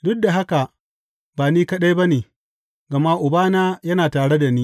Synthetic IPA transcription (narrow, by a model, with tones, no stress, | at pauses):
dʊ˦k̚da˨ɦa˦ka˨ | baː˨niː˦kɐ˦ɗa˦jba˦neː˨ | ɡɐ˨ma˦ʔʊ˨baː˦naː˦jɐ˦naː˨taː˨ɽe˦da˨niː˦